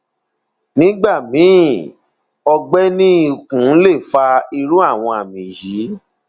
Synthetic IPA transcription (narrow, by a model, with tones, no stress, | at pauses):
nĩ˦ɡ͡ba˦˨mĩ˨˦˨ | ɔ˧ɡ͡bɛ˦nĩ˦i˦˨kũ˨˦le˦˨fa˧i˧ɾũ˦a˦˨w̃ɔ̃˧a˨mĩ˨ji˨˦